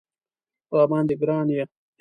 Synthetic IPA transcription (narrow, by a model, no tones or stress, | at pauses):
waːmɑːnd̪iɡɾɑːnja